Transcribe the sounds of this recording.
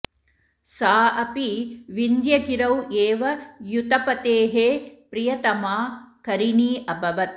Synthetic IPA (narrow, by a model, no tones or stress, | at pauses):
saːʔɐpiʋind̪jɐɡiɾɐweːʋɐjut̪ɐpɐt̪eːɦepɾijɐt̪ɐmaːkɐɾiɳiːʔɐbʱɐʋɐt̪̚